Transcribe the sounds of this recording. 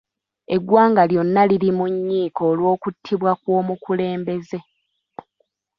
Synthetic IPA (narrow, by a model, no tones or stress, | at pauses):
e̞ɡwaːŋɡaljo̞nːalilimuɲːiːko̞ːlwo̞ːkutʰːiβwakwo̞ːmukule̞ːmbe̞ze̞